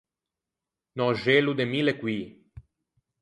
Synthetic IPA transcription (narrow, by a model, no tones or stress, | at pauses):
nɔʒelud̪emilekwi